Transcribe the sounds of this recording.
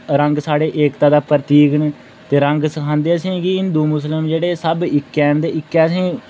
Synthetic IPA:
ɾəŋɡsaːɽeːʔeːkt̪ãːd̪aːpəɾt̪iːɡnː | t̪eːɾəŋɡsəkʰãːnd̪eːəsĩːkɪɪnd̪uːmʊsləmd͡ʒeːɽeːsəbɪkːɛːnd̪eːɪkːɛːəs̬ĩː

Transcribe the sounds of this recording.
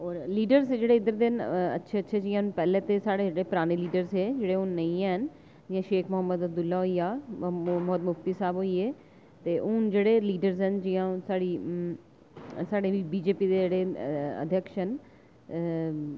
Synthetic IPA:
ɔːɾliːɖəɾzd͡ʒeːɽeːɪd̪əɾd̪ɪnə̰tːʃʰeətːʃʰeːd͡ʒiːãɦnpɛːlẽːt̪esaːɽed͡ʒeːɽepɾaːñeːliːɖəɾzɦeːd͡ʒeːɽeːʊnːəĩaɦən | d͡ʒɪːãːʃeːkʰmʊɦəmːəd̪ab̚d̪ʊlːaːɦoːiːaːmɔt̪mʊft̪iːsaːbɦoːiːeː | t̪eːʔʊnd͡ʒeːɽeːliːɖəɾzɦənd͡ʒɪːãːsaːɽiː | saːɽeːibiːd͡ʒeːpiːd̪eːeːɽeːə̰d̪ʱjəkʃɦən

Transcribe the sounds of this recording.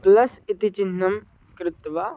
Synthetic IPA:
plɐsit̪it͡ʃɪnːɐm | kɾɪt̪ʋa

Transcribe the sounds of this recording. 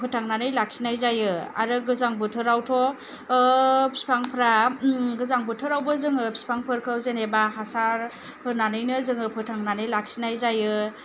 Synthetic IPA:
pʰɯtʰaŋnanɯjlak̚sinajzajɯa̰ɾɯɡɯzaŋbɯtʰɯɾawtʰɔ | pʰi̥spʰaŋpʰɾaɡɯzaŋbɯtʰɯɾawbɯzɯŋɯpʰi̥spʰaŋpʰɯɾkʰɯwzenebaɦasaɾ | pʰɯɾnanɯjnɯzɯŋɯpʰɯtʰaŋnanɯjlak̚sinajzajɯ

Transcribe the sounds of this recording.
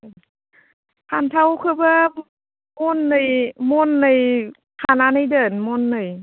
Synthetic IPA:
pʰaːnt̪ʰawkʰɯbɯ | monːajmonːaj | pʰaːnanajdɤːnmonːɯj

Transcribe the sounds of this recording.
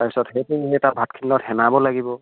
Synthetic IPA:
taɹpi̥sɔthejtunɦeɛtabʱatkʰinːɔthɛnabɔlaɡibɔ

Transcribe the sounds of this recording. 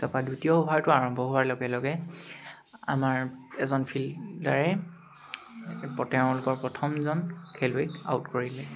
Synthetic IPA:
sɔpadutijɔɔbʱaɹtʊaɹɔmbʱɔɦʊwaɹlɔɡɛlɔɡɛ | a̰maɹɛzɔnpʰildaɹɛ | pɔtɛʊ̃lʊkɔɹpɹɔtʰɔmzɔnkʰelweka̰wtkoɹilɛ

